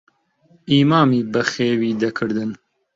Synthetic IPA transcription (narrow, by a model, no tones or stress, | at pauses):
imɑːmibɐxeːwiːd̪ɐkʰɨɾd̪ɨn